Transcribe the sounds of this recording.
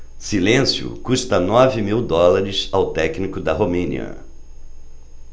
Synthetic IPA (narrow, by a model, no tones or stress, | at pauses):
silẽsjʊ̰kuʃt̪ɐnɔvɪmiwd̪ɔlaɾɪsawt̪ɛknikʊd̪ɐɦomẽnḭɐ̰